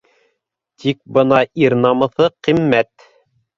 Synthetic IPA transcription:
t̪ʰik̚bɤ̆nɑʔiɾnɑmɤ̆θɤqimːæt̪

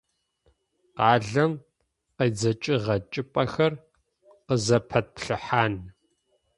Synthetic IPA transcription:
qɑːɮɐm | qɐjd͡zɐt͡ʃʼɪʁɐt͡ʃʼɪpʼɐxɐr | qəzɐpʰɐt̚pɬɨħaːn

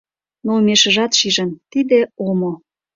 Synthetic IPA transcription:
nomeʃə̆ʒɑt̪ʃiʒə̆nt̪id̪ĕomo

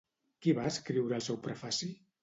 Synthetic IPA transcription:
kiβaəskɾiwɾəlˠsɛwpɾəfasi

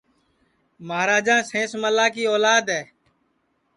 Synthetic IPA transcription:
maɦaːɾaːd͡ʒãːsẽːsməlaːkiːoːlaːd̪ɦɛː

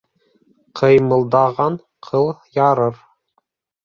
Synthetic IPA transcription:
qʰɤ̆jmɤ̆lˠd̪ɑʁɑɴ | qʰɤlˠjɑɾɤɾ

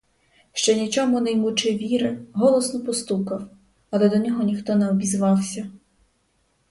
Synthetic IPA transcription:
ʃt͡ʃɛnʲit͡ʃɔmʊnɐjmut͡ʃɪʋʲiɾɪɦɔlˠɔsnɔpɔst̪ukɐw | ɐlˠɛd̪ɔnʲɔɦɔnʲixt̪ɔnɛɔbʲizʋɑwsʲɐ

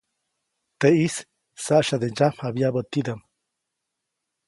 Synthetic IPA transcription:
t̪eis | saʔʃad̪ed͡ʒamabjabət̪id̪am

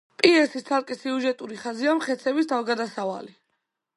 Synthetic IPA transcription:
pʼiɛsit̪sʰaɾkʼisiuʒɛt̪ʼuɾiχaziamχɛt̪sʰɛbist̪ʰavɡad̪asava̰li

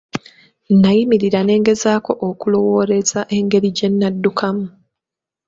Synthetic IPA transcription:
najimiɾiɾane̞ːŋɡe̞zaːko̞ʔokulo̞wo̞ːɾe̞z̥aʔe̞ŋɡe̞ɾiɟe̞nːadːukʰamu

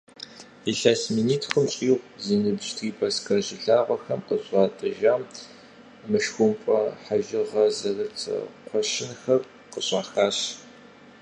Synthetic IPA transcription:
iɬaːsminiːtxəmɕʼiːʁʷziːnɨbʒtʰɣiːpʰɐskʰɐʑɪɮaːʁʷɔxɐmqəɕʼɑːtʼɨʒaːm | mɨʃxʷʊmpʼɐħaʒɪʁɐzɐrɐtʰɐ̰qʷʰɔʃɪnxɐr | qəɕʼaːxaːɕ

